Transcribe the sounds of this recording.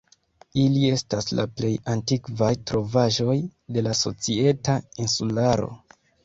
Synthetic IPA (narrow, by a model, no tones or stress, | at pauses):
ilie̞stasla̰ple̞jantikvajtɾo̞vaʒo̞jde̞laso̞̰t͡sie̞tainsulaɾo̞̰